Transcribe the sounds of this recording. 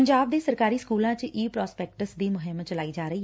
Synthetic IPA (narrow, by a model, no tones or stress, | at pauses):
əɲd͡ʒaːb̚d̪eːsəɾkaːɾiːskuːlãːt͡ʃʔiːpɾɔːspɛːk̚ʈəsd̪iːmʊɦɪmt͡ʃəlaːiːd͡ʒaːɾəiː